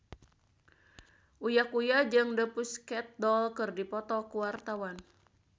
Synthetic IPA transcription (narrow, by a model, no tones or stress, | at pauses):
ʔujakujad͡ʒɨŋdəpuskɛt̪̚dɔlkɨrdipɔt̪ɔkuwart̪awan